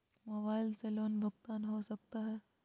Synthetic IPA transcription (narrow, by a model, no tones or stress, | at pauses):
mobaːɪlseloːnbʱəɡt̪aːnɦosɐk̚t̪aɦɛː